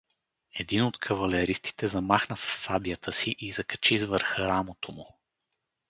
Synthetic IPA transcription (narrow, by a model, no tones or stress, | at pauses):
ɛd̪inot̪kʰɐvɐlɛɾist̪i̥t̪ɛzɐmaxnəsɐ̥sːabijət̪ʰəsiʔizɐkɐ̥t͡ʃizvəɾxɾamot̪omu